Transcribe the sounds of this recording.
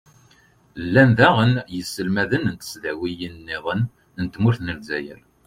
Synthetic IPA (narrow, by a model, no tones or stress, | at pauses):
lːænðæʁənjəsːəlmæðənənt̪ə̥sðæwijənːɪʁˤən | ənt̪mʊɾθnəlzæjə̰l